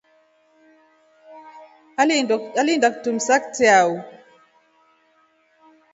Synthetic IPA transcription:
alalindak̚tumsak̚teawu

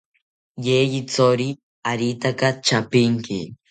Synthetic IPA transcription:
jejit͡soɾi | aɾit̪akat͡ʃapiŋki

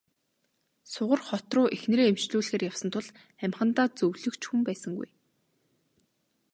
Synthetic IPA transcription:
sʊʁə̆rχɔt̪rʊːʔexnɾeːemt͡ɕɮuːɮxeːrjaw̥sə̆nt̪ʰʊ̆ɮ | æmχə̆nt̪aːt͡sɵwɮɵ̆kt͡ɕxumpæːsə̆ŋɡṵj

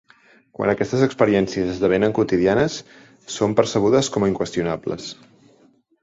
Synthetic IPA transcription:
kwa̰nəkɛst̪əzəkspəɾiɛnsiəzəzðəβ̞enəŋkut̪iðianəsː | ompəɾsəβ̞uðəskɔməiŋkwəst̪iunablə̰s

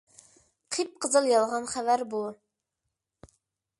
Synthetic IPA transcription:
qʰip̚qʰəzɨlˠjɑlˠʁɑnχævæɾbu

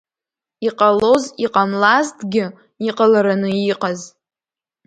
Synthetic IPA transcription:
iqʼalo̞ziqʼamlaztʰɡʲɪ | iqʼalaɾanɨiqʼaz

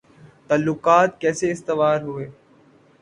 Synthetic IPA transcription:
t̪ɐlːʊkaːt̪kɛːseɪst̪ɪʋaːɾɦʊeː

